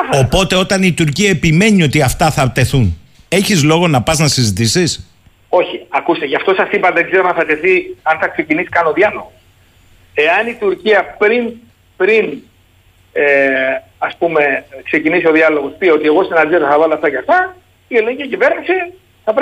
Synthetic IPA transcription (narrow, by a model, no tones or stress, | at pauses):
o̞po̞t̪e̞o̞t̪ɐnit̪uɾciɐepime̞nio̞t̪iɐft̪ɐθɐt̪e̞θun | e̞çizlo̞ɣo̞nɐpɐznɐsizit̪isis | o̞çiɐkust̪eʝɐft̪o̞sɐsipɐðeɡzeɾoɐnθɐt̪e̞θiɐnθɐksecinisi̥kɐnoðiɐnomo | eɐnit̪uɾciɐpɾin | pɾin | ɐspume̞kse̞cinisio̞ðiɐlo̞ɣo̞spio̞t̪ie̞ɣo̞sinɐnd̪iot̪ɐθɐvɐloɐft̪ɐcɐft̪ɐ | ieleɲɟiɐcive̞ɾnisi | θɐpɾ